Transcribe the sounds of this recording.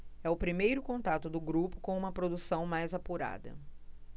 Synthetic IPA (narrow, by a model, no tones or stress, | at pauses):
ɛʊpɾimejɾʊkõnt̪at̪ʊd̪ʊɡɾupʊ̥kõw̃ũmɐpɾod̪usɐ̃w̃majzapuɾa̰d̪ɐ̰